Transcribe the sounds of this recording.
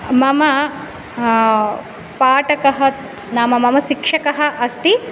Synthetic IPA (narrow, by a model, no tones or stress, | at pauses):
mɐmɐ | paːʈɐkɐɦɐ | naːmɐmɐmɐʃikʂɐkɐɦɐ̆ʔɐst̪i